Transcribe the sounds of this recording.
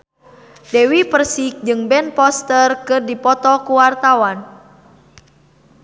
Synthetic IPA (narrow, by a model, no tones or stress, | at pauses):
dɛwipərsik̚d͡ʒɨŋbɛnpɔst̪ərkɨrdipɔt̪ɔkuwart̪awan